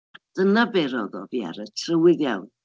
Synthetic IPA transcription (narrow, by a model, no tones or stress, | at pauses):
d̥ənabɛɾɔðɔ̰via̰ɾətʰrəwɪðjawn